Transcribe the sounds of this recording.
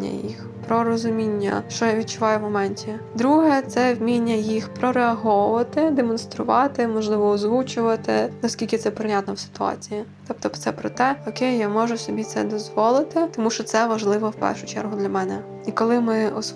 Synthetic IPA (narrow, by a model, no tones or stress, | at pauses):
ɐ̰jḭx | pɾɔɾɔzʊmʲinʲːɐ̰ʃt͡ʃɔjaʋʲid̪̚ʲt͡ʃʊʋɑjʊʋmɔmɛnʲtʲid̪ɾuɦɛt̪sɛwmʲinʲːɐjixpɾɔɾeɐɦɔʊʋɐt̪ɪd̪emɔnst̪ɾʊʋɑt̪ɪmɔʒlˠɪʋɔːzʋut͡ʃʊʋɐt̪ɪ̰nɐskʲilʲkɪt̪ɛpɾɪnʲat̪nɔwsɪ̥t̪ʊɑ̰t͡sʲijit̪ɔpt̪ɔpt̪sɛpɾɔt̪ɛɔkejjamɔʒʊsɔbʲit̪sɛ̰d̪ɔzʋɔlˠɪt̪ɪt̪ɔmuʃt͡ʃɔt̪sɛʋɐʒlˠɪʋɔwpɛ̰rʃʊt͡ʃɛ̰rɦʊd̪lʲɐmɛnɛ | ikɔlˠɪmɪɔs